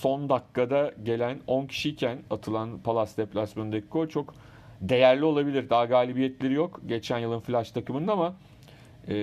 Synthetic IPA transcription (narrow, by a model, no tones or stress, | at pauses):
so̞nd̪akːad̪aɟe̞lʲæno̞ncʰi̥ʃiːcʰænat̪ʰɯlˠanpʰalˠasd̪ɛplʲasmønd̪ekʰːot͡ʃʰo̞k | d̪e̞jæɾlʲio̞lˠabilʲiɾd̪aːɡaːlʲibijɛt̪lʲe̞ɾijo̞kɟe̞t͡ʃʰænjɯlˠɯnflʲaʃt̪ʰakɯmɯnd̪ama